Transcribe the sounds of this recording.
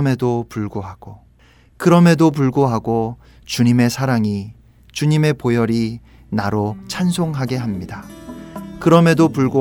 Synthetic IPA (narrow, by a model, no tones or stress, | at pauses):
me̞dopuɭɡoɦaɡ̥o | kɯɾʌme̞dop̬uɭɡoɦaɡo | t͡ɕuɲime̞sʰaɾaŋi | t͡ɕuɲime̞pojʌɾi | naɾot͡ɕʰansʰoŋɦaɡe̞ɦamɲida | kɯɾʌme̞dopuɭɡo